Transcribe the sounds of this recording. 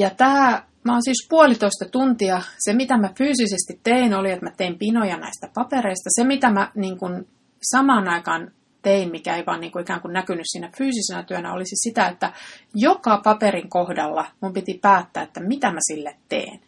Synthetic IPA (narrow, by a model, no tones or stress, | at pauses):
jɑt̪æː | mæoːˑnsiːspuolit̪oist̪ɑt̪unt̪iɑsemit̪æmæfyːsisest̪it̪teinoliet̪mæt̪eimpinojɑnæ̰ist̪æpɑpeɾeist̪ɑsemit̪æmæniːŋkun | sɑmɑːnɑikɑːn | t̪einmikæeiʋɑ̰ːniːŋkuikæːŋkunnækynyssiːnæfyːsisenæt̪yønæ̰o̰lisisit̪æet̪ːæjokɑpɑpeɾiŋkohdɑlːɑmumpit̪ipæːt̪ːæ̰ːet̪ːæmit̪æmæsilːet̪tḛːn